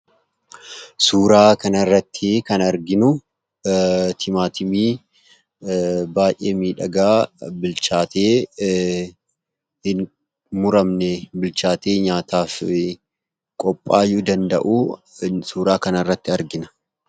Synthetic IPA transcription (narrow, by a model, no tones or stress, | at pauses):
suːɾaːkɐnɐrːɐt̪ːɪkɐnɐɾɡɪnʊ | t̪ʰɪmaːt̪ʰɪmiː | baːjʔeːmiːᶑɐɡaːbɪlt͡ʃaːt̪ʰeː | hɪn | mʊɾɐmnɛbɪlt͡ʃaːt̪eːɲaːt̪aːf | kʼɔpʼːaːjʊd̪ɐnd̪ɐ̰ʔuː | suːɾaːkɐnɐrːɐt̪ːɪɐɾɡɪnɐ̥